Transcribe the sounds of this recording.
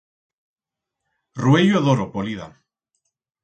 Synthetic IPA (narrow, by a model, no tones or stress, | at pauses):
rwejoaðoɾopoliða̰